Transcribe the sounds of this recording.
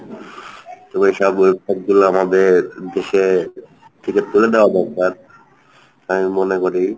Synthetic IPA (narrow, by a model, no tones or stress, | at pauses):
t̪omeiʃɔbebsɔk̚ɡuloamad̪eɾd̪eʃe | t̪ʰiket̪uled̪eoad̪ɔɾt̪aɾ | amimonekoɾi